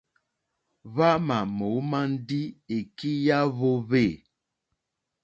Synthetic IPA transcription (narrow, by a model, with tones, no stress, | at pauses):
βa˦ma˨mo˨˦ma˦n̩˦di˦e˨ki˦ja˦βo˦βe˦˨